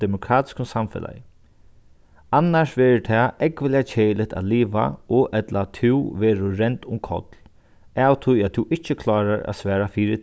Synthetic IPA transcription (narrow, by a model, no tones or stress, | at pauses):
d̪ɛmʊkʰɾaːt̪ɪ̥skʊnsamfɪ̰la̰j | anːaʂʋɛːɾɪt̪ʰɛɛkʋɪljat͡ʃʰeːjlɪt̪a̰t̪liːʋa̰ɔʔɛt̪lat̪ʰɪwʋɛːɾʊɾɛnt̪ʊmkʰɔ̰t̪l | awt̪ʰʊjat̪ʰuʔɪt͡ʃːəkʰlɑːɾaɾa̰sʋɛːɾafiːɾɪ